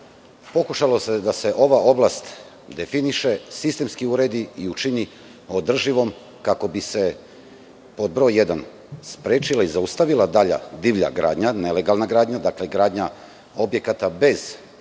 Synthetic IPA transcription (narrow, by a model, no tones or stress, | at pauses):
po̞kuʃalo̞se̞d̪ase̞ʔo̞ʋaʔo̞blˠast̪ | d̪e̞finiʃe̞sist̪e̞mskiuɾe̞d̪iiut͡ʃini | o̞d̪r̩ʒiʋo̞m | kako̞bise̞ | po̞d̪̚bɾo̞jːed̪an | spɾeːt͡ʃilaizaust̪aʋilad̪aʎa̰d̪iʋʎa̰ɡɾa̰ːd̪ɲanele̞ɡalnaɡɾaːd̪ɲad̪akle̞ɡɾaːd̪ɲa | o̞bje̞kat̪abe̞z̥